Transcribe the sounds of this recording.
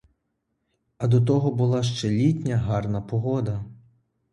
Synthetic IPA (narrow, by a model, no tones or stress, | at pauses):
ɐd̪ɔt̪̬ɔɦɔbʊlˠɑʃ̬t͡ʃɛlʲitʲnʲɐɦɑrnɐpɔɦɔd̪ɐ